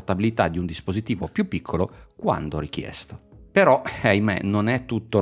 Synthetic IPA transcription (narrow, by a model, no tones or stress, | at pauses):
rt̪abilit̪ad̪iund̪ispozit̪iːvopjupːikʰːolokwa̰nd̪oɾikjɛ̰st̪opeɾɔajmɛ̰nonɛt̪ːut̪ːo